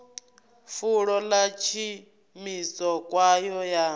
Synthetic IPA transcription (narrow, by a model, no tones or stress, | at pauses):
fuɺɔlat͡ʃʰi | misɔkʼwajɔja